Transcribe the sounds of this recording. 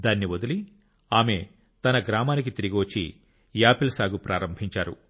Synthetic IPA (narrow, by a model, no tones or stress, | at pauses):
d̪aːnːiʋod̪uli | aːme̞ | t̪ɐnɐɡɾaːmaːnikit̪iɾiɡiʋot͡ʃːḭ | jaːpilsaːɡupɾʔaːɾɐmbʱiɲt͡ʃaːɾṵ